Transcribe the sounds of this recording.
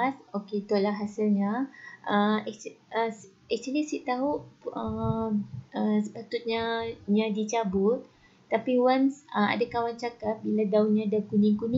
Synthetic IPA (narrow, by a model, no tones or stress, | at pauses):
soket̪olaɦasilɲãʔəɛkəs | ɛk̚t͡ʃulisiʔt̪aɦuə | əsə̥pat̪ut̪̚ɲaɲãdit͡ʃabʊt̪̚ | t̪ːapiwansəa̰dakawant͡ʃakat̪̚biladaunɲãdakunĩŋkunĩ